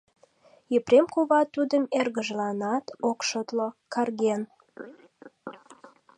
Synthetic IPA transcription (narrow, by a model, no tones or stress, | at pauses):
jəpɾemkuβɑt̪ːud̪əmerɣəʒlɑnɑt̪okʃot̪lokɑrɣen